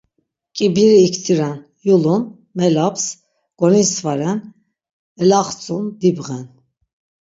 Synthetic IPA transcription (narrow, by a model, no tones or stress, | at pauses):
kʼibiɾiːkʰt̪ʰiɾan | julun | mɛlaps | ɡ̥ɔnisvaɾɛn | ɛlaχt͡sʼund̪ibʁɛn